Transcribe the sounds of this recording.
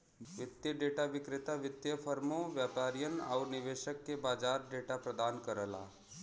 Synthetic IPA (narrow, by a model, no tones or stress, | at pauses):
ʋit̪jəɖeʈaʋikɾɪt̪aʋit̪jəfəɾmoʋjapaɾjəna̰wniʋeʃəkːebad͡zaɾɖeʈapɾəd̪ankəɾəla̰